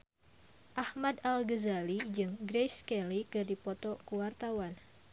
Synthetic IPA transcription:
ʔahmad̪alɡəzalid͡ʒɨŋɡɾejskɛlikɨrdipɔt̪ɔkuwart̪awan

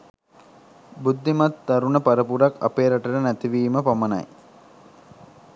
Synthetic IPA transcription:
bud̪ːimat̪ːaɾunəpaɾəpuɾaka̰peːɾaʈələnæt̪iʋiːməpaməna̰j

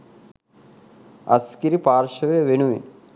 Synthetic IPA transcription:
ɐ̰skiɾipaːɾʃɐʋeʋenuʋḭn

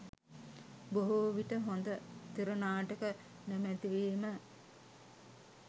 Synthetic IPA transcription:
boɦuʋiʈəɦond̪ət̪iɾunaːʈəkə | nemæt̪iʋiːmə

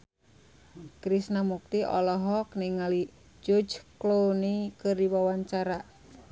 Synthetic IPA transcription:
kɾisnamuk̚t̪iʔɔ̰lɔɦɔkniŋali | d͡ʒɔd͡ʒklonikɨrdiwawaɲt͡ʃaɾa

